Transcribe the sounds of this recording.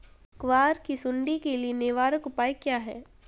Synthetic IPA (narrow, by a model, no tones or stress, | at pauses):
kʋaːɾkisʊ̃ɳɖikelienɪʋaːɾəkʊpaːikjaːɦɛ̰ː